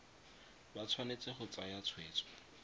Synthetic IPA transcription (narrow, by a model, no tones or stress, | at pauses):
bat͡sʰwanet͡sɪχʊt͡sajat͡sʰweːt͡sʰɔ̥